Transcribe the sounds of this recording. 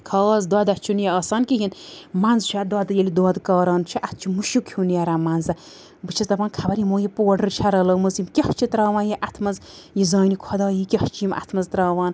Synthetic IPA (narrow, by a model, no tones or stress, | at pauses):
kʰaːzd̪ad̪at͡ʃʰunjeɐːsaːnkiɦinmanzt͡ʃʰad̪ad̪ɨjelid̪wɔːd̪kaːɾaːnt͡ʃʰiʔat̪̚ʰt͡ʃʰumuʃukʰjunjaɾamanzɐ | bɨt͡ʃʰɐzt̪ɐpaːnkʰabɐɾimoːjipoːɖɐɾt͡ʃʰaɾɐlɐːmɐzjimkʲeht͡ʃʰit̪ɾaːʋãːnjiʔat̪ʰmɐzjizaːnikʰɐd̪aːjikʲeht͡ʃʰijimʔa̰t̪ʰmɐzt̪ɾaːʋaːn